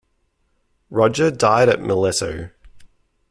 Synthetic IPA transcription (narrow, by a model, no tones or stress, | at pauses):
ɹɒd͡ʒədaɪɾəʔ̚mʔəlɛtəʊ